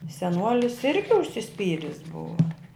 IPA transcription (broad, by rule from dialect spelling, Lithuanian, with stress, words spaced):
sʲɛˈnuɔlʲɪs ˈɪrʲɡʲɪ ʊʃʲsʲɪˈsʲpʲiːrʲɪs ˈbʊɐ